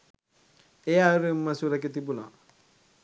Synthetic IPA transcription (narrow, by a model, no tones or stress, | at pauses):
ɪjaɾimːasuɾakitibula̰